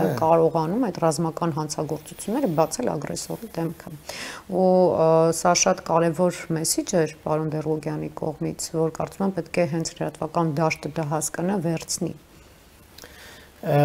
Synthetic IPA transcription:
kɑɾɔʁɑnumɑjt̪rɑzmɑkɑnɦɑnt͡sʰɑɡɔɾt͡sut͡sʰjunːɛɾəbɑt͡sʰɛlɑ̰ɡɾɛ̰sɔɾid̪ɛmkʰəu | sɑʃɑt̪kɑɾɛvɔɾmɛsid͡ʒɛɾpɑɾɔnd̪ɛruɡjɑnikɔ̰ʁmit͡sʰvɔɾkɑ̰ɾt͡sumɛmpɛt̪kʰɛɦɛnt͡sʰləɾɑt̪vɑkɑnd̪ɑʃt̪əd̪ɑɦɑskənəvɛɾt͡sʰnḭ

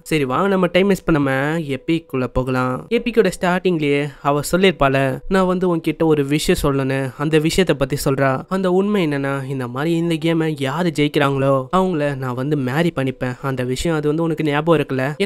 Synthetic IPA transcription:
sɐɾiʋãːŋɡɐnɐmːɐʈɐɪmɛspɐɳːɐmɛ̃epːikːʊɭːɐpoːɣɐlãːepːikːuɽɐsʈaːɾʈɪŋɡɪlɪjeɐʋɐ̃sɔlːɪɾɯpaːlɐnãːʋɐnd̪ɯɔŋkːɪʈːɐɔɾɯʋɪʂɐjɐ̃sɔlːɐnɯɐnd̪ɐʋɪʂɐjɐt̪ːɐpːɐt̪ːisɔlɾãːɐnd̪ɐʊɳmɐɛnːɐnːaːɪnd̪ɐmaːd̪ɾiɪnd̪ɐɡeːmɐ̃jaːɾɯd͡ʒɛjɪkːɪɾaːŋɡɐɭoːɐʋɐŋɡɐɭɐnãːʋɐnd̪ɯmaːɾipɐɳːɪpːẽːɐnd̪ɐʋɪʂɐjɐ̃ɐðɯʋɐnd̪ɯɔnɐkːɯnjaːb̬oːɪɾɯkːɐlːɐ

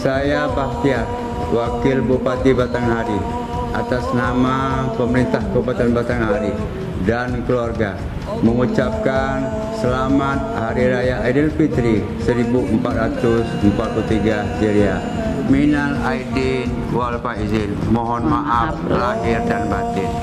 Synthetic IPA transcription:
sajapaht̪iar | wakɪlbupat̪ibat̪aŋɦaɾi | ʔat̪asnamapəməɾint̪ahkobat̪anbat̪aŋɦaɾi | dankəluarɡa | məŋut͡ʃap̚kan | səlamat̪̚haɾiɾajaʔadilpit̪ɾi | səɾibuʔəmpat̪̚ɾat̪ʊsəmpat̪̚kult̪iɡa | siɾia | minalaidin | walpaizɪnmɔɦɔnmaʔap̚laɦɪrdanbat̪ɪn

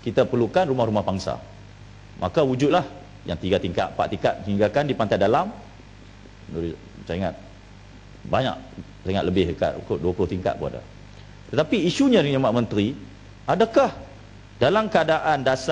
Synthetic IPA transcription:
kit̪apərɾlukanɾumahɾumahbaŋsa̰ | ma̰kawud͡ʒut̪̚lah | ja̰ŋt̪iɡat̪iŋka̰t̪̚pa̰ʔt̪iŋkat̪̚ĩŋɡakandipant̪ajdalam | nuɾi | saŋa̰t̪̚ | baɲa̰k̚ | saŋat̪ləbɪhəka̰ʔ̪kuduaplʊht̪iŋka̰t̪̚bua̰da̰ | t̪ət̪apiːʃuɲãdəŋɲəmaʔmə̃nt̪ɾi | adakah | dalamkəadaʔandas

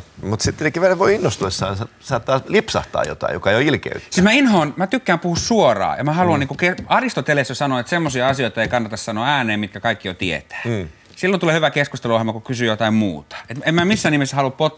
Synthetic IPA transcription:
mut̪sit̪ːesekːiʋeræʋoiinːost̪uesːɑːnsɑsɑːt̪ːɑːlipsɑ̰ht̪ɑ̰ːjo̰t̪ɑ̰ijo̰kɑjoilkḛytsismæinhoːnmæt̪ykːæːmpuhussuorɑ̰ːjɑmæhɑluɑnniːkukeɑrist̪ot̪elesːɑsɑnoet̪semːosiɑɑsioit̪ɑeikɑnːɑt̪ɑssɑnoːæːneːmit̪kækɑikːiot̪iḛt̪æ̥ː | silːont̪uleːhyʋækeskust̪eluohelmɑkukysyjot̪ɑimmṵːt̪ɑ̥et̪emmæmisːæːnimisːhɑluppot̪

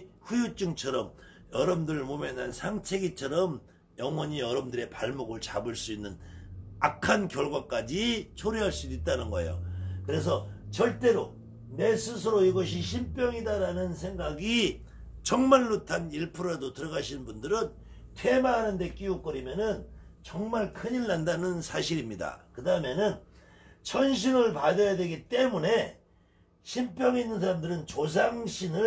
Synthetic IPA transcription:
ɸujut͡ɕ͈uŋt͡ɕʰʌɾʌm | jʌɾʌmdɯɭmomjʌnansʰaŋt͡ɕʰeɡit͡ɕʰʌɾʌm | jʌŋwʌɲiʌɾʌmdɯɾe̞paɭmoɡɯɭt͡ɕa̰bɯɭs͈uinːɯnakʰankjʌɭɡwak͈ad͡ʑit͡ɕʰoɾiɦaɭs͈udit̚t͈anɯnɡʌḛjo̰kɯɾe̞s̬ʰʌt͡ɕʌɭt͈e̞ɾo | ne̞sʰɯsʰɯɾoiɡʌɕ̬ʰiɕ̬ʰimp͈jʌŋidaɾanɯnsʰe̞ŋɡaɡi | t͡ɕʌŋmaɭːotʰaniɭpʰɯɾadotɯɾʌɡaɕʰinnbundɯɾɯn | tʰwe̞maɦanɯnde̞k͈ijuk͈ʌɾimjʌnɯnt͡ɕʌŋmaɭkʰɯɲiɭːandanɯnsʰaɕʰiɾimɲida̰kɯdaɦɯmjenɯn | t͡ɕʰʌnɕ̬ʰinɯɭpad͡ʑʌjadwe̞ɡit͈e̞mune̞ | ɕʰimp͈ʰjʌŋinːɯns̬ʰaɾamdɯɾɯnt͡ɕos̬ʰaŋɕʰinɯ

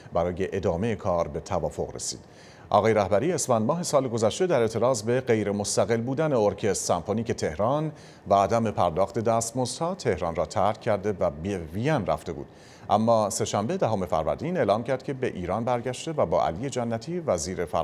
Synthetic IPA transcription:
bæɾɒːje̞ʔed̪ɒːme̞jekʰɒːɾbe̞t̪ʰævɒːfo̞ɣrḛsḭːd̪̥ | ʔɒ̰ːɣɒːjeɾæhbæɾiːesfænd̪mɒːɦe̞sɒːleɡo̞zæʃt̪e̞d̪æɾe̞ʔt̪ʰe̞ɾɒːzbe̞ɢe̞jɾe̞most̪æɣe̞lbuːd̪æne̞oɾcʰe̞st̪sæmpʰoniːce̞t̪ʰe̞hɾɒːn | væːd̪æme̞pʰæɾd̪ɒːxt̪e̞d̪æːst̪mozt̪hɒːt̪ʰe̞hɾɒːnrɒːt̪ʰæɾcʰːæɾd̪e̞væbevijænræ̰ft̪e̞bṵːd̪̥ | ʔæ̰mːɒːse̞ʃæmbe̞d̪æɦome̞fæ̰ɾvæ̰ɾd̪iːne̞ːlɒːmcʰæɾd̪̥̚cʰe̞be̞ʔiːɾɒːnbæɾɟæʃt̪e̞væbɒ̰ːʔæ̰lije̞d͡ʒænːæt̪ʰiːvæziːɾe̞fæ̰

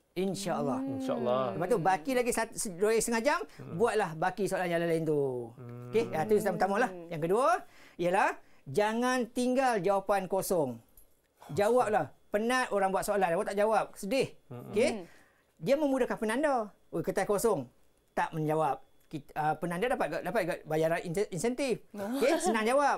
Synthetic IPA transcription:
inʃaəlˠːɑhalːtləpat̪t̪ubakilaɡisasdojɛst̪əŋad͡ʒambuat̪̚lahbakisoalanjalalaint̪ukeat̪ust̪ampət̪amãlahjaŋkəduaialahd͡ʒaŋant̪iŋɡald͡ʒawapankosɔŋ | d͡ʒawap̚lahpənãt̪oɾaŋbuat̪̚soalandabot̪aʔd͡ʒawap̚sədɪhoke | diamə̃mudahkanpənanda | okət̪akosɔŋ | t̪aʔmə̃nɲd͡ʒawap̚ | kiəpənandɔdapat̪̚ɡaʔdapat̪̚ɡaʔbajaɾanininsɛnt̪ifokesənaŋd͡ʒawap̚

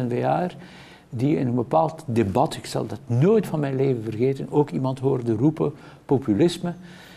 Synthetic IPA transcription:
ɛnveaːr | diɪnənbəpaːlˠtdebɑtɪksɑ̰lˠdɑtnoːjtfɑnmɛjnleːvənvərɣeːtənoːkimɑntɦoːrdərupə | popylɪsmə

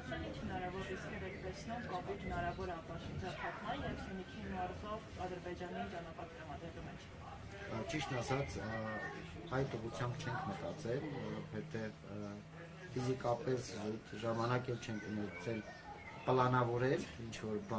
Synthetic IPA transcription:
mɛnint͡ʃʰhənɑɾɑvɔɾriskʰɛɾɛkt̪ɛsnumkɑpuɾhənɑɾɑvɔɾɑpɑsunt͡sʰɑnʰɑt̪mɑnjɛvsunikʰimɑɾzɔvɑd̪əɾbɛd͡ʒɑniid͡ʒɑnɑpɑɾt̪əɾɑmɑd̪ɾɛlumɛt͡ʃʰ | t͡ʃiʃt̪nɑsɑt͡sʰ | ɑjt̪uʁut͡sʰjɑmbt͡ʃʰɛŋkʰmət̪ɑt͡sɛlvɔɾɔvhɛt̪ɛv | fizikɑpɛst̪ʒɑmɑnɑkɛlt͡ʃʰɛŋkʰunɛkʰt͡sʰɛl | pəlɑnɑvɔɾɛɾint͡ʃʰvɔɾb

